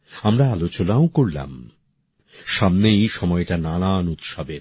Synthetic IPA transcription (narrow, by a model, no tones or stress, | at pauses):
amɾaalot͡ɕonaokoɾla̰m | ʃamnejʃɔmɔeʈanananut̪ʃabe